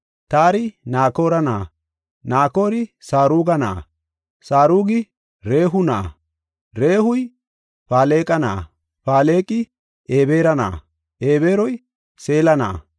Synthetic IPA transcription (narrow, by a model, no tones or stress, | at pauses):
t̪aːɾɪnaːko̞ːɾɐna̰ː | naːko̞ːɾɪsaːɾuːɡɐna̰ː | saːɾuːɡɪ | ɾe̞ːɦʊnaː | ɾe̞ːhʊj | paːle̞ːkʼɐna̰ː | paːle̞ːkʼɪ | ʔeːbe̞ːɾɐna̰ː | ʔeːbeːɾɔj | se̞ːlɐna̰ː